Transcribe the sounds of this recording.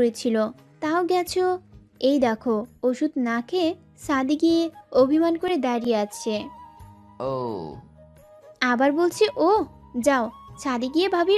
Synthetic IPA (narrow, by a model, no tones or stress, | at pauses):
oɾet͡ɕʰilo | t̪aoɡɛt͡ɕʰo | ejd̪ɛkʰooʃud̪nakʰe | ʃad̪iɡieobʱimankoɾed̪aɾijeat͡ɕʰe | o | abaɾbolt͡ɕʰiʔo | d͡ʑaoʃad̪iɡiebʱabi